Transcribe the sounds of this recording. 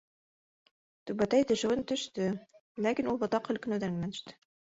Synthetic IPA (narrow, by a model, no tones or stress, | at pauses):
t̪ʉbæt̪æjt̪ɘ̆ʃɘ̆wɘnt̪ɵ̆ʃt̪ɘlækinulˠbŏt̪ɑqhɵ̆lkɵ̆nɵ̆wd̪æŋmænɘ̆ʃt̪ɘ̥